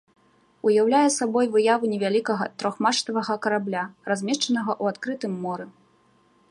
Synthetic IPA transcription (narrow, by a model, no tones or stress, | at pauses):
ujawlʲajɛsabɔjvɨjavɨnʲɛvʲalʲikɐɣɐt̪ɾɔxmaʂt̪ɐvɐɣɐkɐɾablʲarazʲmʲɛʃt͡ʂɐnɐɣɐʔuat̪kɾɨt̪ɨmːɔɾɨ